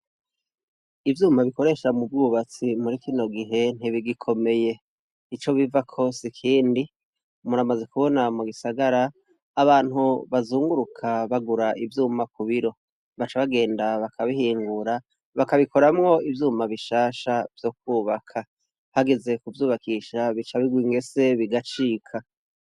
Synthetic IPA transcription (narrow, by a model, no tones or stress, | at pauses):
ivjuːmaβiko̞ɾe̞ʃamubɡuːβat͡simuɾikino̞ɡiɦe̞n̥iβiɡikʰo̞me̞je̞ː | t͡ʃo̞βivakʰo̞sikʰiːndi | muɾamaze̞kuβo̞namuɡisaɡaɾaː | βaːn̥huβazuːŋɡuɾukʰaβaɡuɾaivjuːmakuβiɾo̞ | βat͡ʃaβaɡe̞ːndaβakʰaβihiːŋɡuɾa | βakaβiko̞ɾamŋo̞ivjuːmaβiʃaːʃavjo̞k̚wuːβakʰa | haɡe̞ze̞kuvjuːβakiʃaβit͡ʃaβiɡwiŋɡe̞se̞βiɡat͡ʃiːkʰa